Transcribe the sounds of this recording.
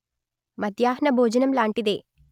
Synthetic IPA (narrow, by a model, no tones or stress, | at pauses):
mɐd̪jaːɦnɐbʱoːd͡ʒɐnɐmlaːɳʈid̪eː